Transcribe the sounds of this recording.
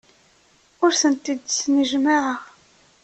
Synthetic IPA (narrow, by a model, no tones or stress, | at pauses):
ʊɾθənt̪id̪snəʒmaʕəʁ